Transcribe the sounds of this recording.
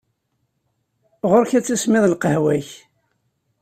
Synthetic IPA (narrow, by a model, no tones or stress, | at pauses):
ʁoɾçæt͡sːæsmɪðˤlqəhwæç